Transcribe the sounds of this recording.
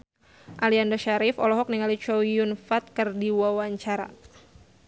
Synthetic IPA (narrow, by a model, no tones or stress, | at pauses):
ʔaliandɔʃaɾɪfɔlɔɦɔk̚niŋalit͡ʃɔjunfat̪̚kɨrdiwawaɲt͡ʃaɾa̰